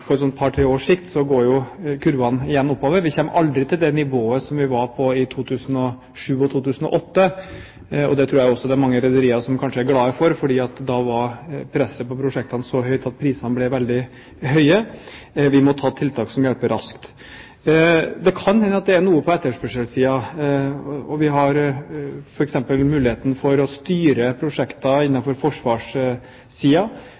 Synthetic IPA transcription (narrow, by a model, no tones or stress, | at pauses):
fɔɾɛsɔnt̪pʰɑːɾʈʰɾeːoːʂɪkt̪sɔɡoːɾjʊkʰʉɾʋɑnɪjɛnːɔpːɑːʋəʋɪçɛmːʔɑld̪ɾɪt̪ʰɪld̪ɛnɪʋoːəsɔmʋɪʋɑɾpʰɔɪt̪ʰuːt̪ʰʉːsən̩ɔ | ʂʉːɔt̪ʰuːt̪ʰʉːsn̩ɔ̰ʔɔt̪ːə | ɔ̰d̪ɛt̪ʰɾuːɾjæjɔsːɔd̪ɛæɾmɑŋːəɾɛd̪əɾiːɑɾʂɔmkʰɑnʂəæɾɡlɑːəfɔɾfɔɖiːɑt̪d̪ɑʋɑɾpʰɾɛsːəpɔpʰɾʊʂɛk̚t̪ɑnsɔɦœʏt̪ɑt̪̚pʰɾiːsɑnəblɛʋɛld̪ɪ | ɦœʏə | ʋɪmɔt̪ʰɑːt̪ʰɪlt̪ʰɑːksɔmjɛlpəɾʔɑ̰skt̪ | d̪ɛkʰɑnhɛnːəɑt̪̚d̪ɛæɾnuːəpʰɔɛt̪ːəʂpœʂəlsiːɑ | ɔʋɪɦɑɾ | fɔɾɛksɛmpəlmʉːlɪheːt̪ənfɔɾɔst̪yːɾəpʰɾʊʂɛkt̪ɑɪnːɑfɔɾfɔʂʋɑːʂ | siːɑ